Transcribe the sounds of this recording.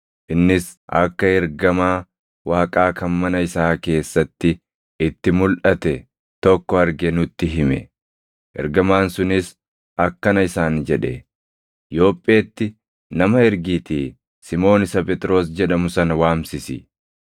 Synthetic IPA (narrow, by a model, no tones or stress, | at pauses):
ʔɪnːɪs | ɐ̰kːɐɛɾɡɐmaː | waːkʼaːkʰɐnmɐnɐɪsaːke̞ːsːɐt̪ːɪ | ɪt̪ːɪmʊlʔɐt̪ɛ | t̪ɔkːɔɐɾɡɛnʊt̪ːɪɦɪmɛ̰ | ʔɛ̰ɾɡɐmaːnsʊnɪs | ɐkːɐnɐɪsaːnd͡ʒɛᶑɛ | jo̞ːpʼːeːt̪ːɪ | nɐmɐɛɾɡiːt̪iː | sɪmo̞ːnɪsɐpʼɛt̪ʼɾo̞ːs̬d͡ʒɛᶑɐmʊsɐnɐwaːmsɪsɪ